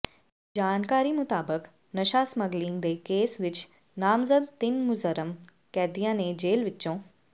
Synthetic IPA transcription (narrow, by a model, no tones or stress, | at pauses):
d͡ʒaːnkaːɾimʊt̪aːbək | nɐʃaːsmɐɡlĩːŋd̪eːkeːsʋɪt͡ʃ | naːmzəd̪̚t̪ɪnmʊzəɾəm | kɛːd̪ijãːnẽd͡ʑeːlʋɪtːt͡ʃõː